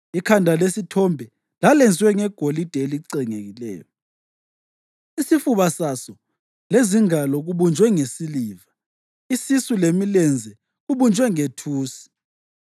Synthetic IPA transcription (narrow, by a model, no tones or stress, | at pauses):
ikʰandʱalesitʰɔmbʱɛ | lalɛnd͡zʱwɛŋɛɡ̥ʱolid̥ʱeliǀɛŋeɣilɛ̰ːjɔ | isifuβasasɔ | leziŋalɔɣuβund͡ʒʱwɛŋesiliːva | isisulemilɛnd͡zʱɛ | ɣuβund͡ʒʱwɛŋetʰuːsi̥